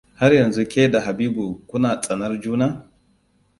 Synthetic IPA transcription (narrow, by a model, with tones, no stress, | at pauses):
ha˦ɾjɐ˨nzu˦kʲe˦da˨ɦa˨biː˦bu˨kʷʊ˦naː˨t͡sʼɐ˨nɐ˦rd͡ʒuː˦naː˦